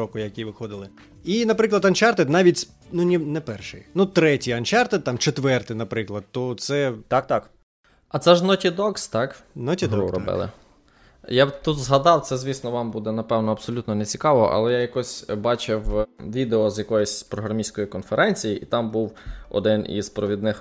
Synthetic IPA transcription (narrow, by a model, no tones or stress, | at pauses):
ɔkʊjɐkʲiʋɪxɔd̪ɪlˠɪ | inɐpɾɪklˠɐd̪ɐnt͡ʃɑrt̪ɛd̪nɑʋʲitʲs | nunʲinɛpɛrʃɪ̰jnut̪ɾɛtʲijɐnt͡ʃɑrt̪ɛd̪̚t̪ɑmt͡ʃet̪ʋɛrt̪ɪnɐpɾɪklˠɐd̪̚t̪ɔt̪sɛt̪ɑk̚t̪ɑk | ɐt̪sɛʒnɔtʲid̪ɔkst̪ɑknɔtʲid̪ɾɔbɪ̰lˠɪ̰ | jat̪ut̪zɦɐd̪ɑwt̪ɛzʲʋʲisnɔʋɑmbud̪ɛnɐpɛwnɔɐb̥sɔlʲut̪nɔnet͡sʲikɑʋɔ̰ʔɐ̰lˠɛjajɐkɔsʲbɑt͡ʃɪwʋʲid̪eɔzʲjɐkɔjisʲpɾɔɦɾɐmʲisʲkɔjikɔnfeɾʔɛnʲt͡sʲijiʔit̪ɑmbuwɔ̰d̪ɪnḭzpɾɔʋʲid̪nɪx